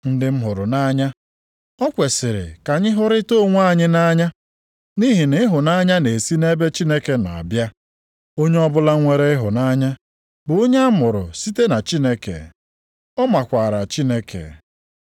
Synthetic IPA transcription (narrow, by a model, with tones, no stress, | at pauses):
n̩˦dɪ˦m̩˦ɦʊ˨ɾʊ˨na˦ɲa˦ | ɔ˦kʷe˨sɪ˨ɾɪ̰˨ka˨ɲɪ˦ɦʊ˦ɾɪ˦to˦˨ŋʷ˦a˦˨ɲɪ˦na˦ɲa˦ | ni˦ɦi˨nɪ˦ɦʊ˨na˦ɲa˦ne˨si˦ne˦be˦t͡ʃi˦ne˦ke˨na̰˨a̰˨bja˦ | o˦ɲe˦ɔ˦bʊ˦la˦ŋʷe˦ɾe˦ɪ˦ɦʊ˨na˦ɲa˦ | bʊ˨o˦ɲe˦a˦mʊ˨ɾʊ̰˨si˦te˦na˨t͡ʃi˦ne˦kḛ˨ | ɔ˦ma˨kʷa˨ɾa˨t͡ʃi˦ne˦kʰḛ˨